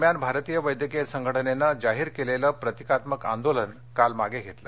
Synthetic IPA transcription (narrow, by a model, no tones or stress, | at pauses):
mjanbʱaɾt̪ijəʋəjd̪jəkesəŋɡʱəʈʰənenːad͡zaɦiːɾkeleləːpɾət̪ikat̪məka̰nd̪olən | kalmaɡeɡʱet̪lə̰